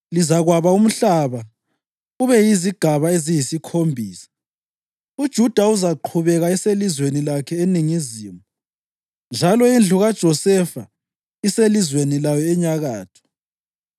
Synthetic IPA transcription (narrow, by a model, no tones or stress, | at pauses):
lizaɣwaβaum̩ɬaβa | uβɛjiziɡ̥ʱaβaezijisikʰombʱiːsḁ | ud̥ʒ̥ʱud̥ʱauzaǃʰuβɛɣaɛselizwenilakʰɛeniŋiziːmuu | nd͡ʒʱalɔind͡ɮʱuɣad̥ʒ̥ʱɔsɛfa̰ | iselizwenilajɔɛɲaɣaːtʰɔ̥